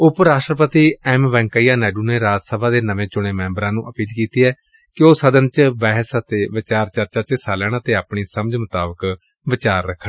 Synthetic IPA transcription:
ʊpəɾaːʃʈɾəpət̪iːɛːmʋɛ̃ːŋkaiːjaːnɛːɖuːneːɾaːd͡ʒsəbʱaːd̪eːnəʋẽːt͡ʃʊɽ̃eːmɛ̃ːmbɾãːnũːʔəpiːlkiːt̪iːɛː | kɪoːsəd̪ənt͡ʃbɛːɦsət̪eːʋɪt͡ʃaːɾt͡ʃəɾt͡ʃaːt͡ʃeːsaːlɛːɽ̃ãːt̪eːaːpɳiːsəməd͡ʒmət̪aːbək | ʋɪt͡ʃaːɾːəkʰːə

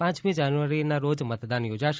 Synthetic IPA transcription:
pãt͡ʃmid͡ʒanuʋaɾinaɾod͡ʒmət̪d̪anjod͡ʒaʃ

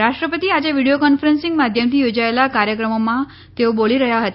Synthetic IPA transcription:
ɾaʂʈɾəpət̪iad͡ʑaʋiɽijokɔnfəɾensĩŋɡmad̪ʱjəmt̪ʰijod͡ʑaelakaɾjəkɾəmomã | t̪eoboɭiɾəɦjaɦət̪

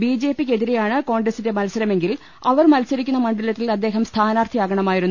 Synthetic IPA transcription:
biːd͡ʑeːpːik̬ʲːe̞ðiɾe̞jaːɳɨko̞ːɳɡɾɐsinde̞mɐlsɐɾɐme̞ŋɡil | ɐʋɐrmɐlsɐɾikʲːunːɐmɐɳɖɐlɐt̪ːilɐd̪ːe̞ːɦɐmst̪ʰaːnaːrt̪ʰijaːɡɐɳɐmaːjiɾunː

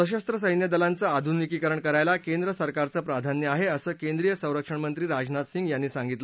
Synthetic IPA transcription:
əɕəst̪ɾəsəjnjəd̪əlant͡səad̪ʱunikikəɾəɳkəɾajlakend̪ɾəsəɾkaɾt͡səːpɾad̪ʱanjəaɦeəsəːkend̪ɾijəsə̃w̃ɾəkʂəɳmənt̪ɾiːɾad͡znat̪siŋɡjanːiːsaŋɡit̪lə

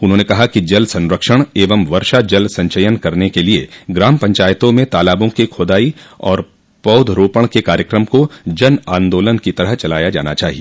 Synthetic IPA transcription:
ʊnɦõːnekɐɦakid͡ʒɐlsɐ̃nɾəkʃəɽ̃eːʋəmʋɐɾʃad͡ʒɐlsɐ̃ɲʃəjənkɐɾnekelieɡɾaːmpɐ̃ɲt͡ʃaːjət̪õmẽt̪aːlaːbõkikʰoːd̪aːiɔːɾ | pɐːʊd̪ʱɾoːpəɽ̃kekaːɾjəkɾəmkod͡ʒɐnãːnd̪oːlənkit̪ɐɾəɦt͡ʃɐlaːjad͡ʒa̰ːnat͡ʃaːɦie

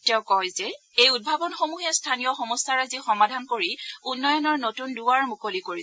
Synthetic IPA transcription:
tɛʊ̃kɔjzɛ | ejud̚bʱabɔnxomuɦɛstʰanijɔxɔmɔstaɹazixɔmadʱankoɹiunːɔjɔnɔɹnotunduwaɹmukolikoɹi

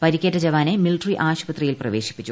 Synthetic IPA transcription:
pɐɾikʲːetːɐd͡ʑɐʋaːnemiliʈriʔaːɕpɐt̪rijilprɐʋe̞ːɕi̥pːit͡ɕːu

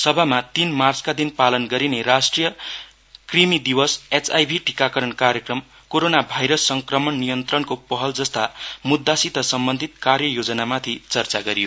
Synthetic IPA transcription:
sʌbʱamat̪inmart͡skad̪inpalʌnɡʌɾinerasʈrijʌ | krimid̪iwʌset͡sajbʱiʈikakʌɾʌɳkarjʌkrʌm | koɾonabʱajɾʌsːʌŋkrʌmʌnnijʌnt̪rʌnkopʌɦʌld͡zʌst̪amud̪ʱːasit̪ʌsʌmbʌnd̪ʱit̪̚karjʌjod͡zʌnamat̪ʰit͡sʌrt͡saɡʌɾijo

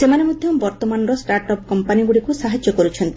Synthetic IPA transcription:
semanemod̪ʱjɔmbɔɾt̪ɔmanɔɾɔsʈaɾʈɔp̚kɔmpaniɡuɽikusaɦad͡ʒːɔkɔɾut͡ʃʰɔnt̪

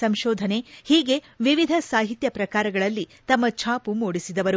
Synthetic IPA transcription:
sɐmʃɔːd̪ʱɐne̞hiːɡe̞ | ʋiʋid̪ʱɐsaːɦit̪jɐpɾɐkaːɾɐɡɐɭɐlːit̪ɐmːɐt͡ʃʰaːpumoːɽisid̪ɐʋɐɾu

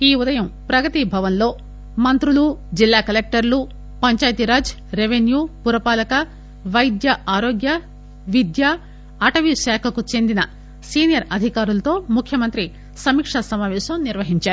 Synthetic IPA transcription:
iːud̪ɐjɐmpɾɐɡɐt̪ibʱɐʋɐnlo̞ː | mɐnt̪ɾulud͡ʒilːaːkɐlek̚ʈɐɾlu | pɐɲt͡ʃaːjɐt̪iɾaːd͡ʒ | ɾeʋenjuːpuɾɐpaːlɐkɐ | ʋɐjd̪jɐʔaːɾoːɡjɐ | ʋid̪jaː | ʈɐʋiʃaːkʰɐkut͡ʃe̞nd̪inɐ | siːnijɐɾɐd̪ʱikaːɾulɐt̪o̞ːmukʰːjɐmɐnt̪ɾi | sɐmiːkʂɐsɐmaːʋɛːʃɐmniɾʋɐɦiɲt͡ʃaːɾu

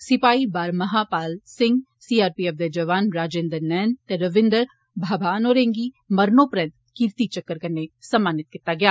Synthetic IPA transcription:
sɪpaːiːbaːɾməɦaːpaːlsɪ̃ŋɡ | siːaːɾpiːɛːfd̪ed͡ʒəʋaːnɾaːd͡ʒẽːnd̪əɾnɛːnt̪eɾəʋɪ̃nd̪əɾ | bʱaːbʱaːnoːɾẽːŋɡiː | məɾnoːpəɾə̃nt̪ | kiɾt̪iːt͡ʃəkːəɾkəɾnesəmːaːnɪt̪̚kɪt̪ːaːɡɪjaː

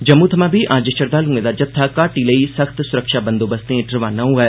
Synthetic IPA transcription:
d͡ʒɐmːuːt̪ʰɐmãːbʱiʔãːd͡ʒəʃəɾd̪aːlũːɡẽd̪aːd͡ʒɐt̪ʰːakaːʈiːləiːsəxt̪sʊɾəkʃaːbə̃nd̪oːbəst̪ẽʈɾʋaːnaũɦɛː

